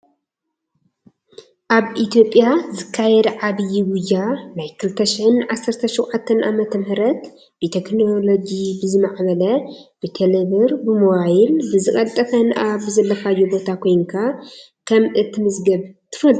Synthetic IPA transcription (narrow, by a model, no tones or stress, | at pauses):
ʔaβʔit̪ʰijo̞pʼːjazɨkʰːajɛd̪ʕaβɨjːiwʊjːanajkʰɨlɨt̪ʰːɐʃɪħɨnʕasːɐɾt̪ʰɐʃiwʕat̪ʰːɐnʔamɐt̪ʰɐmhɨɾɐt̪ | b̥ɨt̪ʰeknolod͡ʒibɨzɨmaʕβɐlɐb̥ɨt̪ʰeleβɨɾbɨmowajilbɨzɨkʼɐlt̪ʼɐt̪ʰɐnaβɨzɐlːɐfajːubo̞t̪ʰakʰo̞jŋkʰa | kʰɐmʔɨt̪ʰːɨmɨzɡɐβt̪ʰɨ̥fɐlʼ